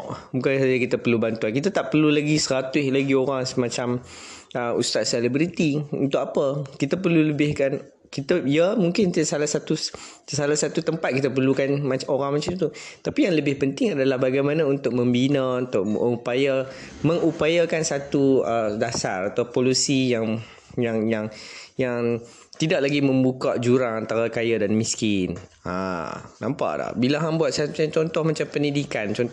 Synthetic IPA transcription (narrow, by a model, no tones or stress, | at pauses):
muŋkansad͡ʒakit̪apərlubant̪uankit̪at̪aʔpərlulaɡisəɾat̪ʊhlaɡioɾaŋsəmãt͡ʃam | əṵst̪at̪̚selibɾit̪iṵnt̪ʊkapəkit̪ap̬ərluləbɪhkan | kit̪aijəmuŋkɪnsalahsat̪u | salasat̪ut̪əmpat̪̚kit̪ap̬ərlukanmaoɾaŋmat͡ʃamt̪ut̪apijaŋləbɪhpənt̪ɪŋadalahbaɡajmanaunt̪ʊk̚məmbinəunt̪ʊʔ̚əupaja | məŋupajakansat̪uədasa̰rat̪awpolusijaŋ | jaŋjaŋjaŋ | t̪idaʔ̚laɡimə̃mbukaʔd͡ʒuɾaŋant̪aɾakajadanmĩskɪna̰nãmpa̰ʔda̰hbilaɦambuat̪̚sat͡ʃat͡ʃɔnt̪ɔhmat͡ʃampəndidikant͡ʃɔn